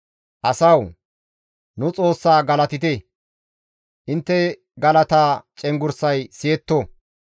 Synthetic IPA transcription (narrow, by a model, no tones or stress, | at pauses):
ʔɐsɐw | nʊt͡sʼo̞ːsːaːɡɐlɐt̪ɪt̪ɛ | ʔɪnt̪ːɛ | ɡɐlɐt̪aːt͡ʃʼɛŋɡʊɾsɐjsɪɛt̪ːo